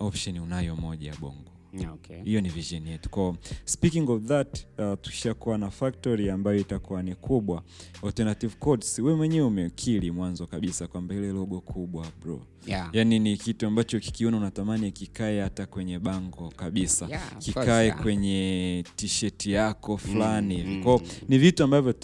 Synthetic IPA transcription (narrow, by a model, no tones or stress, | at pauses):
ɔpʃɔniunajɔmɔʄaɓɔ̰ŋɡɔ | hijɔniviʒɔnijɛtu̥kɔɔspikiŋɡɔvðattu̥ki̥ʃakuwanafak̚tɔɾiambajɔitakuwanikʰuɓwaɔltɛnativkɔdsuwɛmwɛɲɛwɛumɛkʰilimwanzɔkaɓisakwambahilɛlɔɠɔkʰuɓwabɾɔ̰ | janinikituambat͡ʃɔki̥kiɔnaunatamaniakikaɛhatakwɛɲɛɓaŋɡɔkaɓisakikaɛkwɛɲɛtiʃɛtijakɔflanihivikwɔɔnivituambavjɔ